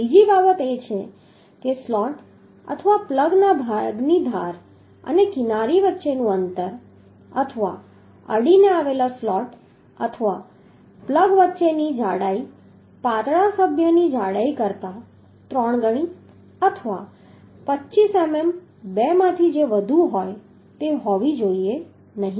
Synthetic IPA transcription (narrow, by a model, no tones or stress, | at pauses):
id͡ʒibabət̪et͡ʃʰe | keslɔʈ | ə̰t̪ʰəʋapləɡnabʱaɡnid̪ʱaɾ | ə̰nekɪnaɾiʋətːʃenũənt̪əɾ | ə̰t̪ʰəʋa̰ | ə̰ɽineaʋelaslɔʈ | ət̪ʰəʋa | pləɡʋətːʃenid͡ʒaɽai | pat̪ɽasəbʱjənid͡ʒaɽaikəɾt̪a | t̪ɾɔɳ̃ɡəɽ̃i | ət̪ʰəʋa | pətːʃisemem | bɛmãt̪ʰid͡ʒeʋəd̪ʱuɦɔj | t̪eɦɔʋid͡ʒoie | nəɦĩ